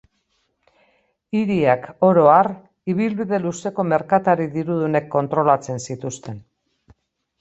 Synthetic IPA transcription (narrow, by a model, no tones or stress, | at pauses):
iɾiako̞ɾo̞ar | iβ̞ilβiðe̞luse̞ko̞me̞ɾkat̪aɾiðiɾuðune̞kːo̞nt̪ɾo̞lat͡se̞nsit̪ust̪e̞n